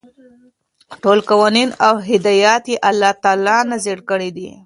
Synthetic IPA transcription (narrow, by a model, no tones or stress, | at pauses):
ʈolkawɑninawɦɪd̪ɑjɑt̪jeʔalːɑt̪ɑlɑnazeɽkəɽid̪ḭ